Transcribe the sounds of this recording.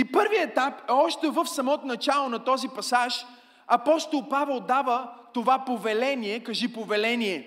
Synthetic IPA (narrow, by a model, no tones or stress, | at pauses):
ipɤɾviɛt̪apɛɔʃt̪ɛvəfsɐmɔt̪onɐt͡ʃalˠonɐt̪ɔzipɐsaʃ | ɐpɔst̪olˠpavɛlˠd̪avət̪ovapovɛlɛniɛkɐʒipovɛlɛniɛ